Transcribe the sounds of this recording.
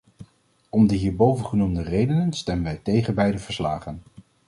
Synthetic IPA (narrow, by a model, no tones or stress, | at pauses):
ɔmdəɦiːɹbowvənχənumdərejdənənstɛmənʋɛjtejχənbɛjdəv̥əɹslaːχən